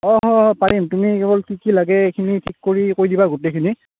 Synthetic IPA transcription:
ɔɦɔpaɹimtumikɛbɔlkikilaɡɛekʰinitʰikːoɹikoɹidibaɡotekʰini

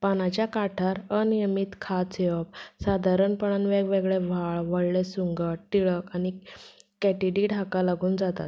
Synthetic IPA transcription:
panat͡ɕjakaʈʰaɾənijəmit̪kʰat͡seʋəp̚sad̪ʱaɾəɳpəɳanʋeɡʋeɡɭeʋ̤ʱaɭʋəɽɭesuŋɡət̪iɭəkanikɛʈiɖiːɖʱakalaɡuːnd͡zat̪a̰t̪̚

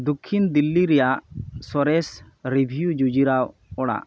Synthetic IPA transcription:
d̪ukʰːind̪ilːiɾɛjaʔsɔɾɛs | ɾibʱijud͡ʒud͡ʒiɾawɔɽa̰ʔ

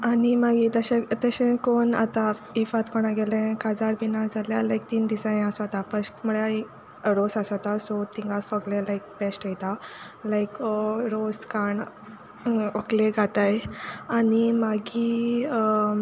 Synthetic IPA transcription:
animaɡit̪əɕẽt̪əɕẽkona̰t̪aifat̪kɔɽ̃aɡelẽkad͡zaɾbinad͡zaljalajk̚t̪iːnd̪isaj̃asat̪apəsʈməɭai | ɾosasat̪asɔt̪ĩŋɡasɔɡlẽlaik̚pesʈajt̪a | laikɾoskaɳ | okleɡʱat̪ajanimaɡi

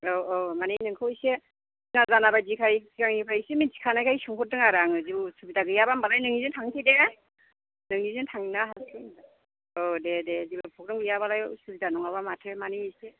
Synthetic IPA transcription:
ɔomanenɯŋkʰɯwjse | iŋazanabajdikʰajsikaŋipʰaisiminsi̥kʰanajkʰajsuŋpʰɔt̚dɯŋaɾaŋɯzibusubitaɡɯjabambalajnɯŋnizɯntʰaŋtʰide | nɯŋnizɯntʰaŋnaɦaskʰɯn | ɔdededibɯpʰɔk̚ɾɔŋɡɯjabalajsubitanɔŋaβamatʰemanise

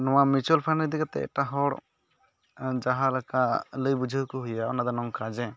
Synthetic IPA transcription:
nɔ̃wamit͡ʃɔlpʰanid̪iɡat̪ɛ̰ɛ̰ʈaɦɔɽ | d͡ʒaɦalakaləjbud͡ʒʱəkuɦujaɔnad̪ɔnɔŋkad͡ʒɛ

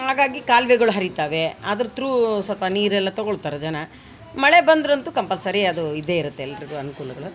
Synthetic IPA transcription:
ɦaːɡaːɡikaːlʋɛɡɐɭuɦɐɾit̪aːʋe̞a̰ːd̪ɐɾut̪ɾusɔlpɐniːɾɛlːɐt̪ɔɡoɭut̪aːɾɐd͡ʒɐnɐ | mɐɭebɐnd̪ɾɐnt̪ukɐmpɐlsɐɾiɐd̪uid̪ːe̞iɾut̪ːeɛlːɐɾiɡ̪uɐnukuːlɐɡɐɭu

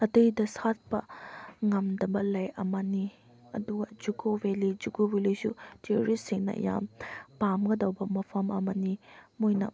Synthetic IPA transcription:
ɐtɯjdɐsat̚pɐ̰ŋɐmdɐbɐlɐjɐmani | ɐ̰duɡɐd͡ʒukʰowelid͡ʒuɡobelisṵtʰioɾisiŋnɐ̰ɐ̰ja̰mpamɡɐdɐwbɐmɐpʰɐmɐmɐnimojnɐ̰

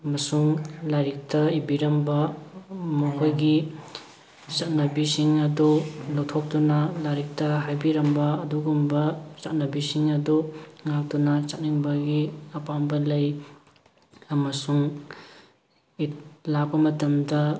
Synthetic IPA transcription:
ɐmɐsuŋlaɾik̚tɐibiɾɐmbɐ | mukʰojɡi | t͡ʃat̚nɐbisiŋɐdulowtʰok̚tunɐlaɾik̚tɐɦajbiɾɐmbɐːduɡumbɐt͡ʃat̚nɐbisiŋɐduŋak̚tunɐt͡ʃat̚niŋbɐɡiɐpambɐlɐj | ɐmɐsuŋ | itlak̚bɐmɐtɐmdɐ

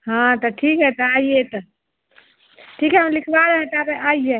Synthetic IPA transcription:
ɦãt̪ɔʈʰikɦɛt̪ɔaiet̪ɔ | ʈʰikɦɛɦəmlikʰbaɾəɦɛ̃t̪ɔabeʔaije

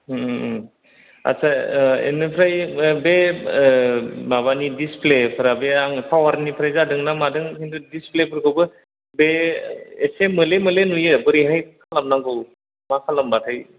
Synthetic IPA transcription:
a̰sʰaḛnɯpʰɾajbe | baβanidisplepʰɯɾabeaŋpʰawaɾnipʰɾajzadɯŋnamadɯŋhindudisplepʰɯɾkʰɯwbɯ | be | esemɯlemɯlenujɯbɯɾiɦajkʰalamnaŋɡɯw | makʰalambatʰaj

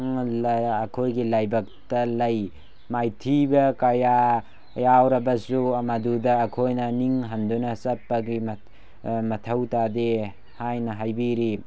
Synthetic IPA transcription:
ŋlɐkʰojɡilajbɐk̚tɐlɐj | majtʰibɐkaja | jawɾɐbɐsuɐmadudɐːkʰojnɐniŋɦɐndunɐsɐpːɐɡim | mɐtʰɐwtade | hajnɐɦajbiɾi

